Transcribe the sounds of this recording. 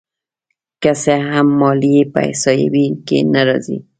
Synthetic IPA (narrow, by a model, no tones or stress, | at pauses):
kaseɦamːɔliepa̰hsɔjḛbikḛnaɾɔzḭ